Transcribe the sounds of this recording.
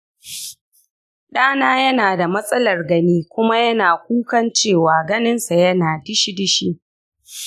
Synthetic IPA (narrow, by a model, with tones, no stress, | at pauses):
ɗaː˦naː˦jɐ˦naː˨da˨mɐ˦sʼɐ˦lɐ˨rɡɐ˦niː˦kʷʊ˦ma˦jɐ˦naː˨kʷuː˦kɐ˦nt͡ʃeː˦˨waː˨ɡɐ˦nɪ˦nsa˨jɐ˦naː˨dɪ˦ʃi˦dɪ˦ʃi˦ʔ